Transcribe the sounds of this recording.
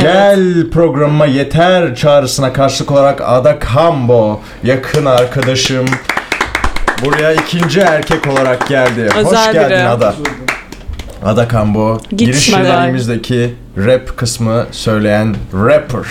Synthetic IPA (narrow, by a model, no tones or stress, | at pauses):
ɟ̥ælʲpʰɾo̞ɡɾammaje̞t̪ʰæɾt͡ʃʰaːɾɯsɯnakʰaɾʃɯlˠɯko̞lˠaɾaka̰d̪akʰambo | jakʰɯnaɾkʰad̪aʃɯm | buɾajaicʰind͡ʒiæɾcʰɛco̞lˠaɾak̚ɟælʲd̪ɪho̞ʃɟælʲd̪inad̪a | a̰d̪akʰamboɟiɾiʃianimizd̪ecʰi | ɾɛpkʰɯsmɯsø̞jlʲe̞jænɾɛpʰɯɾ̥